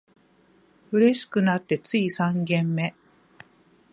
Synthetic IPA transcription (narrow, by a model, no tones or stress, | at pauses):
ɯ̟ɾe̞ɕi̥kɯ̟nat̪ːe̞t͡sɨisãŋɡẽ̞mːe̞